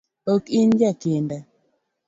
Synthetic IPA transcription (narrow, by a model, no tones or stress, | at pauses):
okind͡ʒɛkendɛ